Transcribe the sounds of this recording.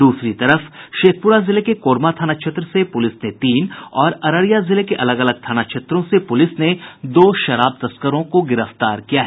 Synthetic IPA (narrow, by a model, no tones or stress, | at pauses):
d̪uːsɾit̪ɐɾəfʃeːk̚ʰpʊɾazɪlekekoːɾmat̪ʰaːnat͡ʃʰet̪ɾəsepʊlɪsnet̪iːnɔːɾɐɾəɾijazɪlekeʔɐləɡɐləɡ̚t̪ʰaːnat͡ʃʰet̪ɾõsepʊlɪsned̪oːʃɐɾaːb̚t̪ɐskəɾõkoɡɪɾəft̪aːɾkijaɦɛː